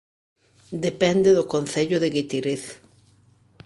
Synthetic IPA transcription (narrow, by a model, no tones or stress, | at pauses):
d̪epɛnd̪eðʊkon̟θeʎʊðɪɣit̪iɾeθ